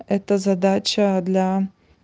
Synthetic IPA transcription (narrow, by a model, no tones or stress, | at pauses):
ɛt̪əzɐd̪at͡ɕəd̪lʲa